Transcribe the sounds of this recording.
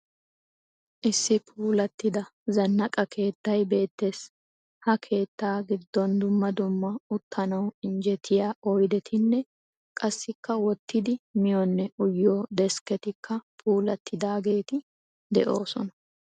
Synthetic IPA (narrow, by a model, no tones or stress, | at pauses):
ʔɪsːɪpʰuːlɐt̪ːɪd̪ɐzɐnːɐkʼɐkʰe̞ːt̪ːɐjbe̞ːt̪ːe̞ːs | hɐkʰe̞ːt̪ːaːɡɪd̪ːɔnd̪ʊmːɐd̪ʊmːɐʊt̪ʰːɐnɐwɪnd͡ʒɛt̪ʰːɪjaːɔjd̪ɛt̪ʰɪnːɛ | kʼɐsːɪkːɐwɔt̪ːɪd̪ɪmɪjɔnːɛʔʊjːoːd̪ɛskɛt̪ɪkʰːɐpʰuːlɐt̪ʰːɪd̪aːɡe̞ːt̪ɪ | d̪ɛʔo̞̰ːsɔnɐ̥